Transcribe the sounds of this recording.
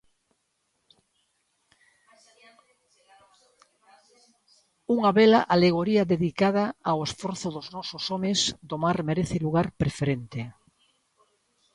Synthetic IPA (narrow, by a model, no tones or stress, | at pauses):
uŋaβelaʔaleɣ̞oɾiaðeðikað̞aawesfoɾθoðoznɔsosɔmezd̪omaɾmeɾeθeluɣ̞aɾpɾefeɾent̪e